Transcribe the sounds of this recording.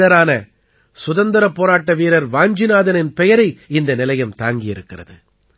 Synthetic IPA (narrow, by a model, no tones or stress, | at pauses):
ɐɾaːnɐ | sʊðɐnd̪ɪɾɐpːoːɾaːʈːɐʋiːɾɐɾʋaːɲd͡ʒɪnaːðɐnɪnpɛjɐɾɐɪɪnd̪ɐnɪlɐjɐmt̪aːŋɡɪjɪɾɯkːɪrɐ̰ðɯ̰